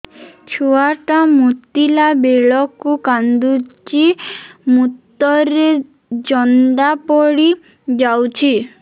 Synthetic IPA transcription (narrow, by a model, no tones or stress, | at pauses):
t͡ʃʰuaʈamut̪ilabeɭɔkukand̪ut͡ʃimut̪ːɔɾe | d͡ʒɔnɖ̪apɔɽi | d͡ʒawt͡ʃʰi